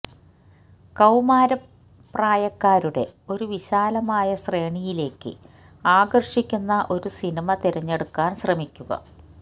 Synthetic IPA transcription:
kɐwmaːɾɐ | pːraːjɐkːaːɾuɽe̞̰o̞ɾuʋiɕaːlɐmaːjɐɕre̞ːɳijile̞ːkːɨ̰ | aːɡɐrʂikʲːunːɐʔo̞ɾusinimɐt̪iɾɐɲːe̞ɽukːaːnɕrɐmikʲːuɣɐ̰

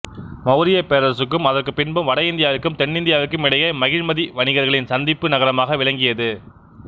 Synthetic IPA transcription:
mɐʊɾɪjɐpeːɾɐsɯkːɯmɐðɐɾkɯpɪɳbɯmʋɐɽɐjɪnd̪ɪjaːʋɪkːɯmt̪ɛɳːɪnd̪ɪjaːʋɪkːɯmɪɽɐjɐmɐɣɪɻmɐðiʋɐɳɪɣɐɾɣɐɭɪnsɐnd̪ɪpːɯnɐɣɐɾɐmaːɣɐʋɪɭɐŋɡɪjɐðɯ

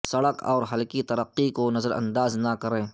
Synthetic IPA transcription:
sɐɽəkɔ̰ːɾɦɐlkit̪ɐɾəqːikonɐzəɾɐ̰̃nd̪aːznakɐɾẽː

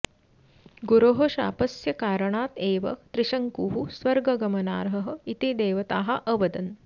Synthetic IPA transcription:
ɡuɾoɦoʃa̰ːpɐsjɐkaːɾɐɳaːt̪eːʋɐ̰t̪ɾiʃɐŋkuːɦusʋɐɾɡɐɡɐmɐna̰ːɾɦɐɦɐ̆it̪id̪eːʋɐt̪aːɦɐʔɐʋɐd̪ɐn

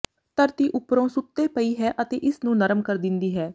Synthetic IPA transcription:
t̪əɾt̪iːʔʊpɾõːsʊt̪ːeːpəiːɦɛːʔət̪ḛːʔɪsnũːnəɾəmkəɾd̪ɪnd̪iːɦɛː

